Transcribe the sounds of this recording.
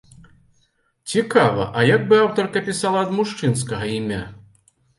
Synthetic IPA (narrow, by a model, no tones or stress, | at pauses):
t͡sʲikavɐ̰ʔɐjaɡ̚bɨawt̪ɐrkɐpʲisalˠɐɐd̪muʂt͡ʂɨnskɐɣɐimʲa̰